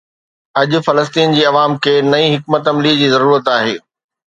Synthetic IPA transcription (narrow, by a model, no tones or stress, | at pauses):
ɐʄʊfɐləs̬t̪iːnd͡ʑiːɐʋaːmkʰeːnɐĩɦɪkmət̪ɐmlid͡ʑiːzɐɾuːɾət̪aːɦeː